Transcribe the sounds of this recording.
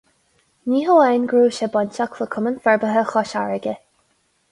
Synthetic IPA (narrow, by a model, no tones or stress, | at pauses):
niːɦəwɛjnɡɹuːʃɛbɔnʲtakʰləkʰʊmənfɛɹbəɦəxɔʃaɹəɡə